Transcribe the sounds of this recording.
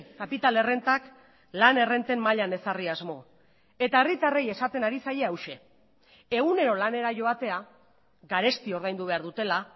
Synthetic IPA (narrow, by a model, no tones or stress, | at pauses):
kapit̪ale̞re̞nt̪ak | lane̞re̞nt̪e̞mmaʎane̞sariazmo̞ | e̞t̪ae̞rit̪areje̞sat̪e̞naɾisaje̞awʃe̞ | e̞ɣune̞ɾo̞lane̞ɾaʝo̞at̪e̞a | ɡaɾe̞st̪io̞ɾð̞ajnd̪uβ̞e̞aɾðut̪e̞la